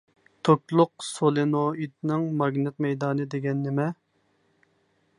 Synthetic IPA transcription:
t̪ʰokʲlˠʊq̚solˠenoit̪nɪŋmɑɡnɪt̪mɛjd̪ɑːnɨd̪eɡʲɛnːɪmɛ

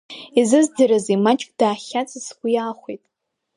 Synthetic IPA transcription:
izɨzd͡zaɾazimat͡ʃʼkʼd̥aːχʲat͡sʼɨsɡʷijaːχʷijtʼ

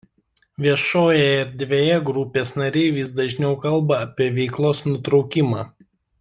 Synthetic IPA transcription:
ʋʲiɛʃoːjɛɪɾd̪ʲʋʲejɛɡɾʊpʲeːsnɐɾʲɛɪʋʲisd̪ɐʒʲnʲɛʊkɐlˠbɐɐpʲiɛʋʲɛɪklˠoːsnʊt̪ɾɒʊkʲɪmɑː

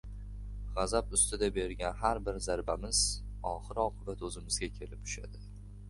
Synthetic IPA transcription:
ʁɑzapʊst̪ɪd̪abe̞ɾɡʲanɦaɾbɪɾzaɾbamɪz̥ɒχɨɾɒqʰɨbat̪ɵzɪmɪzɡʲakʲʰe̞lɪptʰʊ̥ʃa̰d̪ɪ

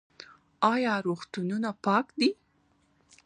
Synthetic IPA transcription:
ɑjɑɾoxt̪ununapɑkd̪i

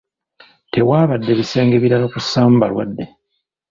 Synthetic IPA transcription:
te̞waːβadːe̞βise̞ːŋɡe̞βiɾanokusaːm̩balwadːe̞

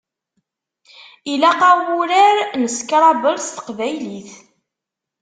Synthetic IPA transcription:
ilæqɑwuɾəɾnəskɾˤɑbəlst̪ə̥qvæjliθ

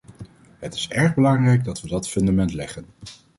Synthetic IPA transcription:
ɦətɪ̥sɛɹχbəlɑŋrɛjɡdɑtʋədɑtfɵndamɛntlɛχən

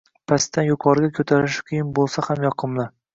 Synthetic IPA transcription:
pʰast̪ʰːanjʊqʰɒɾɡʲakʰɵt̪ʰaɾɪʃɪ̥kʲʰijɪnbolˠsahamjɒqʰɨmlˠɪ

